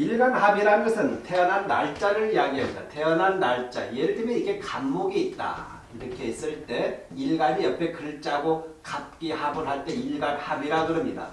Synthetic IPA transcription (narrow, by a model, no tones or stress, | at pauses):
iɭɡanɦabiɾanɯnɡʌsʰɯntʰe̞ʌnɦanːaɭt͡ɕ͈aɾɯɭijaɡiɦʌmdatʰe̞ʌnɦanːaɭt͡ɕ͈a̰jeɾɯdɯmeniɡe̞kamːoɡiːt̚t͈a̰ | iɾʌkʰe̞is͈ɯɭt͈e̞ | iɭɡaɲijʌpʰe̞kɯɭt͡ɕ͈aɡokap̚k͈ihabɯnɦaɭt͈e̞iɭɡanhabiɾaɡɯɾʌmɲida̰